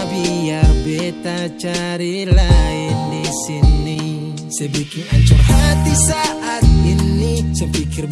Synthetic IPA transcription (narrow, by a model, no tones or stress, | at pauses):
bijabɛt̪at͡ʃaɾilaɪndisinːi | sɛbikɪŋaɲt͡ʃʊmɦat̪isaʔat̪̚inːit͡ʃəpikɪr